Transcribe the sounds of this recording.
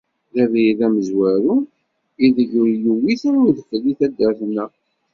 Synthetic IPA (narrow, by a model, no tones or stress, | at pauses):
ðævðæməzwæɾu | iðəʝʊɾjəwiθənʊɾðəflːiθæd̪ːæɾθnːæ